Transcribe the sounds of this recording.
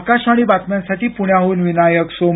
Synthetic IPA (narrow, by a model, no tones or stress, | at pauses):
kaʃaɽ̃ibat̪mjãnsaʈiːpuɳjaɦouːnʋinajəksom